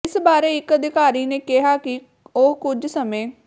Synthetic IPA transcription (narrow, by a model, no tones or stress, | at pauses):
ɪsbaːɾeːɪkəd̪ɪkaːɾiːneːkɪɦaːkɪ | oɦkʊd͡ʒsəmẽː